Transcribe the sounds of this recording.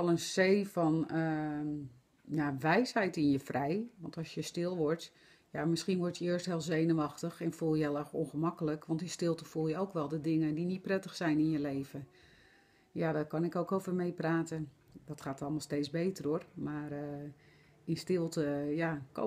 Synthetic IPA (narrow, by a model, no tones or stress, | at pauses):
ɔlˠənsejfɔnə | jaʋɛjsɦɛjtɪnjəfrʔɛjʋɑntɑsjəstɪlˠʋɔɹt | jamɪsχinʋɔrtjəɪərstɦɪːlˠzejnəʋɑxtəxɛnfulˠjəɛlˠɛxɔ̰nχəmɑkələkʋɑntɪnstɪlˠtəfulˠjəowkʋɛlˠdədɪŋəndinit̚prɛtəxsɛjnɪnjəlejvə | jadɔkɑnɪkowkowvərmejpraːtən | d̥ɔtχaːtɑlˠmalˠstejt͡szbejtərormaːrə | ɪnstɪlˠtəjako̰